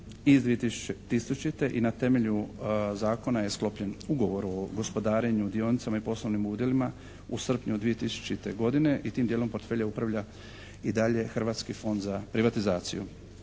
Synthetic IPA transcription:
izd̪ʋijet̪isu̥t͡ʃet̪isut͡ʃit̪e̞ʔinat̪e̞me̞ʎuzaːko̞naje̞sklˠo̞pʎe̞nuɡo̞ʋo̞ɾoɡo̞spo̞d̪aːɾe̞ɲud̪io̞nit̪samaipo̞slˠoʋnimuːd̪je̞lima | usr̩pɲud̪ʋije̞t̪isu̥t͡ʃit̪e̞ɡo̞d̪ine̞ʔit̪iːmd̪jeːlo̞mpo̞ɾt̪fe̞ʎaupɾaʋʎa | id̪aʎe̞xr̩ʋaːt̪skifo̞nd̪zapɾiʋat̪izaːt̪sḭjṵ

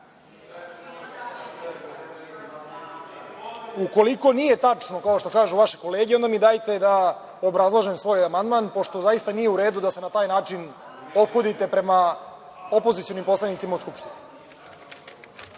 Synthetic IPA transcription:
uko̞liko̞nije̞t̪at͡ʂno̞kao̞ʃt̪o̞kaːʒuʋaʃeko̞le̞ːɡeo̞nd̪amid̪aːjt̪e̞d̪a | o̞bɾazlˠoʒemsʋo̞ːjamand̪manpo̞ʃt̪o̞zajist̪anijeuɾe̞ːd̪ud̪ase̞nat̪aːjnaːt͡ʂino̞pxo̞d̪it̪e̞pɾe̞ma | o̞pozit̪sio̞nimpo̞slˠanit̪simauskupʃt̪inu

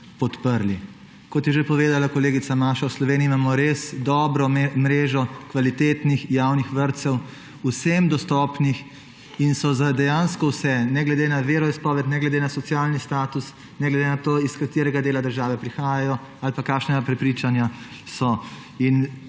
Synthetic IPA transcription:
pɔt̪pəɾli | kɔt̪jɛʒepɔʋeːd̪alakɔleːɡit̪samaʃawslɔʋeːniːimaːmɔɾesd̪ɔːbɾɔmɾeːʒɔkʋalit̪eːt̪nixjawnixʋəɾt̪sɛw | usemd̪ɔst̪ɔːpnix | insɔzad̪ɛjaːnskɔwsɛnɛɡlɛd̪enaʋeːɾɔispɔːʋɛt̪nɛɡlɛd̪enasɔt̪sjaːlnist̪aːt̪us | nɛɡlɛd̪enat̪oːiskat̪eːɾɛɡad̪eːlad̪əɾʒaːʋɛpɾixaːjajɔ | alpakaːkʃnɛɡapɾɛpɾiːt͡ʃanja | sɔ | in

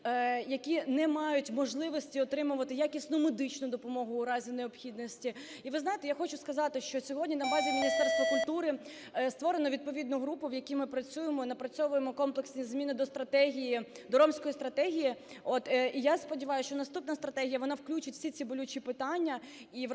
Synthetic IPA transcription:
jɐkʲinɛmɑjʊtʲmɔʒlˠɪʋɔsʲtʲiɔt̪ɾɪmʊʋɐt̪ɪjakʲisʲnʊmed̪ɪt͡ʃnʊd̪ɔpɔmɔɦʊːɾɑzʲineɔpxʲid̪nɔsʲtʲi | iʋɪznɑajɪt̪ɛjaxɔt͡ʃʊskɐzɑt̪ɪʃt͡ʃɔsʲɔɦɔdʲnʲinɐbɑzʲimʲɪnʲist̪ɛrst̪ʋɐkʊlʲt̪uɾɪ | st̪ʋɔɾenɔʋʲid̪̚pɔʋʲid̪nʊɦɾupʊʋjɐkʲimɪpɾɐt͡sʲujemɔnɐpɾɐt͡sʲɔʋʊjemɔkɔmplˠeksʲnʲizmʲinɪd̪ɔst̪ɾɐt̪ɛɦʲiji | d̪ɔɾɔmsʲkɔjist̪ɾɐt̪ɛɦʲiji | ɔt̪ijaspɔdʲiʋɑjʊʃt͡ʃɔnɐst̪upnɐst̪ɾɐt̪ɛɦʲijɐʋɔnɑwklʲut͡ʃɐtʲfsʲit͡sʲibɔlʲut͡ʃipɪt̪ɑnʲːɐ | i

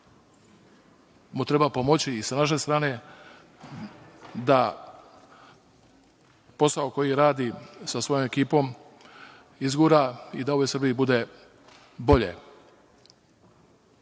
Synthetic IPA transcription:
mut̪ɾe̞bapo̞mo̞t͡ɕiːsanaʃ̬e̞st̪ɾaːne̞ | d̪a | po̞saoko̞jiɾaːd̪isasʋo̞jo̞me̞kiːpo̞m | izɡuɾaid̪ao̞ʋojsɾ̩bijibud̪e̞ | bo̞ʎḛ

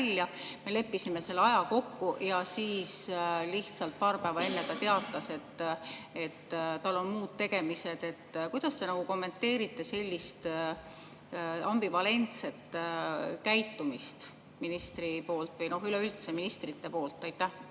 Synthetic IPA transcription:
lʲjɑ | me̞le̞pːisime̞se̞lːeɑjɑko̞kːujɑsiːsliht̪sɑlt̪̚pɑːɾpæːvɑe̞nːe̞t̪ɑt̪e̞ɑt̪ːˑɑse̞t̪ːe̞t̪ːt̪ɑlːo̞nmuːd̪̥̚t̪e̞ɡ̥e̞mise̞d̪̥e̞t̪ːkujd̪̥ɑst̪e̞nɑɡ̥uko̞mːe̞nt̪ːe̞ːɾit̪ːˑe̞se̞lʲːist̪ | ɑmbivɑle̞nt̪se̞t̪ːˑ | kæjt̪ːˑumist̪ | minist̪ripo̞ːlt̪ˑvɯjno̞ɦyleylt̪se̞minist̪rit̪ːe̞po̞ːlt̪ˑːɑjt̪ːæ

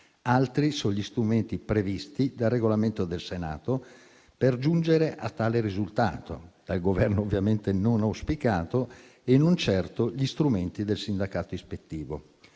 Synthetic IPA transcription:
alt̪ɾisoʎist̪ɾument̪ipɾevist̪id̪arːeɡolament̪od̪elsena̰ːt̪o | perd͡ʒund͡ʒeɾeʔa̰t̪ːaːleɾizult̪a̰ːt̪o̰d̪̥alɡovɛrnoːvːjament̪enonauspikaːt̪o | enːont͡ʃɛrt̪oʎist̪ɾument̪id̪elsind̪akaːt̪oispet̪ːiːvo̰

